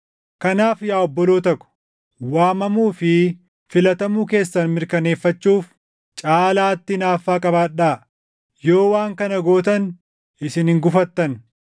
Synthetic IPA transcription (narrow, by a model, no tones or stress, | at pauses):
kɐnaːfjaːɔbːɔlo̞ːt̪ɐkːʊ̥ | waːmɐmuːfɪ | fɪlɐt̪ɐmuːke̞ːsːɐnmɪɾkɐne̞ːfːɐt͡ʃːuːf | t͡ʃʼaːlaːt̪ːɪnaːfːaːkʼɐbaːᶑːaː | joːwaːŋkɐnɐɡo̞ːt̪ɐn | ɪsɪnhɪŋɡʊfɐt̪ːɐn